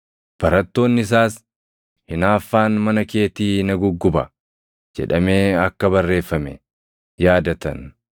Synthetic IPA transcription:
b̥ɐɾɐt̪ːo̞ːnːɪɪs̬aːs | hɪnaːfːaːnmɐnɐke̞ːt̪iːnɐɡʊɡːʊbɐ̰ | d͡ʒɛ̰ᶑɐme̞ːɐkːɐbɐrːe̞ːfːɐmɛ | jaːd̪ɐt̪ɐ̰n

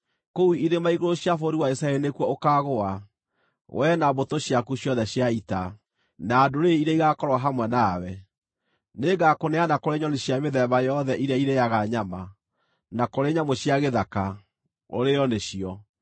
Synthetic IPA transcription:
kouiɾemaiɣoɾoɕjafoɾiwaisaɛɾinekwɔokaɣoa | wʔɛnaβotoɕjakuɕjɔðɛɕjaita | naːdoɾeiɾaiɣakɔɾwaɦamwɛnaːwɛ | neɡakonɛanakoɾeɲɔneɕjameðɛβajɔðɛʔiɾjaiɾejaɣaɲama | nakoɾeɲamoɕjaɣeðaka | o̰ɾejɔneɕiɔ

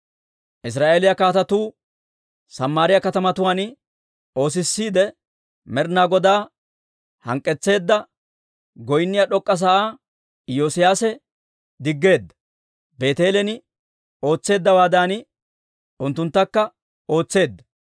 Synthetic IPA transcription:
ʔɪs̬ɾaːʔeːlɪjɐkaːt̪ɐt̪uː | sɐmːaːɾɪjɐkɐt̪ɐmɐt̪ʊwaːn | o̞ːs̬ɪsːiːd̪ɛ | mɛɾnaːɡɔd̪aː | hɐ̰ŋkʼːɛt͡sːe̞ːd̪ːɐ | ɡɔjnːɪjɐɗɔkʼːɐs̬ɐʔaː | joːsɪjaːsɛ | d̪ɪɡːe̞ːd̪ːɐ̥ | be̞ːt̪e̞ːlɛnɪ | o̞ːt͡sːe̞ːd̪ːɐwaːd̪aːnɪ | ʊnt̪ːʊnt̪ːɐkːɐ | o̞ːt͡sːe̞ːd̪ːɐ

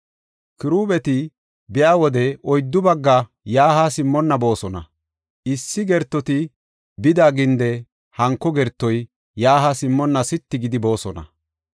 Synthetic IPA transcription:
kɪɾuːbɛt̪ɪ | bɪjaːwɔd̪ɛʔɔjd̪ːʊbɐɡːɐ | jaːhasɪmːɔnːɐbo̞ːsɔnɐ̰ | ɪsːɪɡɛɾt̪ːɔt̪ɪ | bɪd̪aːɡɪnd̪ɛ | hɐŋkːɔɡɛɾt̪ːɔj | jaːɦasɪmːɔnːɐsɪt̪ːɪɡɪd̪ɪbo̞ːsɔnɐ̰

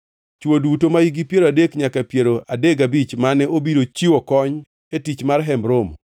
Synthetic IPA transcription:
t͡ʃwodutomaiɡipjeɾoadekɲakapjeɾoʔadeɡabit͡ʃmanɛobiɾot͡ʃiwɔkɔɲ | etit͡ʃmarɦɛmbɾom

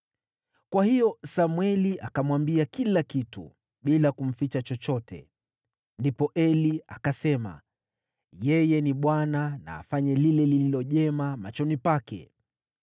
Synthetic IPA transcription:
kwahijɔsamwɛliʔakamwambiakilakitṵ | ɓilakum̩fit͡ʃat͡ʃɔt͡ʃɔtʰɛ̰ | ndipɔʔɛliakasɛma̰ | jɛjɛniɓwanana̰ːfaɲɛlilɛlililɔʄɛmamat͡ʃɔnipakɛ̰

